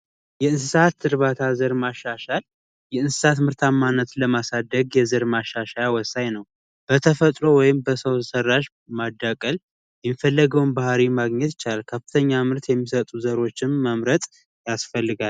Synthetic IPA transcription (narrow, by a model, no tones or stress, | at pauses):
jɛɨnsɨsat̪ːɨɾβat̪ʰazəɾmaʃːaʃal | jɛɨnsɨ̥sat̪mɨɾt̪ʰamːanːət̪ləmasad̪ːəɡjɛzəɾmaʃːaʃajawɔsːajnəw | b̥ət̪ʰəfət̪ʼɾowɔjɪmbəsəwʰsərːaʃ | mad̪ːakʼəl | jɛmifəlːəɡəwnbahɾimaɡɲɛt̪ɪt͡ʃalkʰəfɨ̥t̪ʰəɲːamɨɾt̪jɛmːisət̪ʼuzəɾo̞t͡ʃːɪnːəmɾət̪ʼ | jasfəlːɨɡal